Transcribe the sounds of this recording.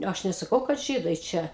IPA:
ˈɐʃ nʲɛsɐˈkɐʊ kɐt ˈʒʲiːdɐɪ ˈt͡ʃʲɛ

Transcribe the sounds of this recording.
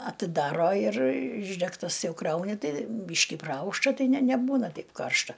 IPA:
ɐtʲɪˈdɑːroː ɪr ˈɪʒʲdʲɛktɐs ˈjɛʊ ˈkrɐʊnʲɪ ˈtɐɪ ˈbʲiːʃʲkʲɪ prɐˈɐʊʃtɐ ˈtɐɪ nʲɛ nʲɛˈbuːnɐ ˈtɐɪp ˈkɐrʃtɐ

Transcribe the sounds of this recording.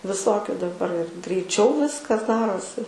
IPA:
ʋʲɪˈsoːkʲʊ dɐˈbɐr ɪr ɡrʲɛɪˈt͡ʃʲɛʊ ˈʋʲɪskɐs ˈdɑːroːsʲɪ

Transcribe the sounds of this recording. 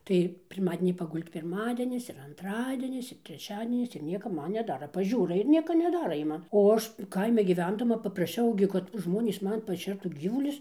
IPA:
tɐɪ pʲɪrˈmɑːdʲɛnʲiː pɐˈɡʊlʲtʲ pʲɪrˈmɑːdʲɛnʲɪs ɪr ɐnˈtrɑːdʲiɛnʲɪs ɪr tʲrʲɛˈt͡ʃʲæːdʲiɛnʲɪs ɪr ˈnʲiɛkɐ ˈmɐn nʲɛˈdɑːrɐ pɐˈʒʲuːrɐ ɪr ˈnʲiɛkɐ nʲɛˈdɑːrɐ ˈjiɛ ˈmɐn oː ˈɐʃ ˈkɐɪmʲɪ ɡʲiːˈʋʲɛndɐmɐ pɐprɐˈʃʲɛʊ ɡʲɪ kɐt ˈʒmoːnʲiːs ˈmɐn pɐˈʃʲɛrtuː ˈɡʲiːʋʊlʲʊs

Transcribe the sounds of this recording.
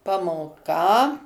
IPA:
pɐmoːˈkɐ

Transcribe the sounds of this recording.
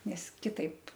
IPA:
nʲɛs kʲɪˈtɐɪp

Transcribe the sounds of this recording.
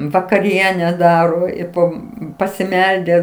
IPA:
ʋɐkɐˈrʲiɛnʲɛ ˈdɑːroː ɪ ˈpoː pɐsʲɪˈmʲɛlʲdʲæː

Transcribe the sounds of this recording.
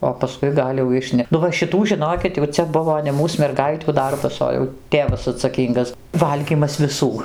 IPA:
oː pɐˈskʊɪ ˈɡɐlʲ jɛʊ ˈɪʃʲnʲɛ nʊ ʋɐ ʃʲɪˈtuː ʒʲɪˈnoːkʲɪt jɛʊ ˈt͡sʲɛ ˈbʊʋoː nʲɛ ˈmuːs mʲɛrˈɡɐɪtʲuː ˈdɐrbɐs ˈoː jɛʊ ˈtʲeːʋɐs ɐtsɐˈkʲiːŋɡɐs ˈʋɐlʲɡʲiːmɐs ʋʲɪˈsuː

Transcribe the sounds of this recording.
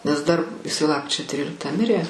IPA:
nʲɛs dɐr ɪˈsɐɪ ˈlˠɑːpkrʲɪt͡ʃʲoː ˈtʲrʲiːlʲɪktɑː ˈmʲɪrʲeː

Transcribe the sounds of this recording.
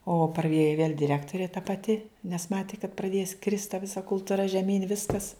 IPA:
oː prɐˈeːjoː ʋʲiɛlʲ dʲɪˈrʲæːktoːrʲeː tɐ pɐˈtʲɪ nʲɛs ˈmɑːtʲɪ kɐt prɐˈdʲeːs krʲɪst tɐ ˈʋʲɪsɐ kʊlˠtʊˈrɐ ʒʲɛˈmʲiːnʲ ˈʋʲɪskɐs

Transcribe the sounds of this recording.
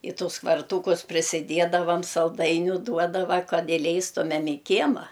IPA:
ɪ ˈtʊs kʋɐrˈtuːkʊs pʲrʲɪsʲɪˈdʲiɛdɐʋɐm sɐlˠˈdɐɪnʲʊ ˈduɔdɐʋɐ ˈkɐt ɪˈlʲɛɪstʊmʲɛm ɪ ˈkʲiɛmɐ

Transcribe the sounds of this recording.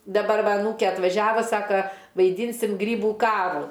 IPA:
dɐˈbɐr ˈʋɐ ɐˈnuːkʲeː ɐtʋɐˈʒʲæːʋɐ ˈsɑːkɐ ʋɐɪˈdʲiːnʲsʲɪm ˈɡrʲiːbuː ˈkɑːruː

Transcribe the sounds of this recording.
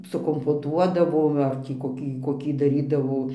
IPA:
sʊkoːmpoːˈtuɔdɐʋoː ˈʋɐ ˈɐr tʲiː koːˈkʲiː koːˈkʲiː dɐˈrʲiːdɐʋoː

